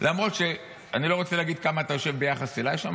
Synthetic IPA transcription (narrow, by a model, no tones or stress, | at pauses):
lʔamʁo̞t̪ʃe̞ | anilo̞ʁo̞t͡seleaɡid̪̚kamaːt̪ajo̞ʃe̞vbejaχaselajʃa̰m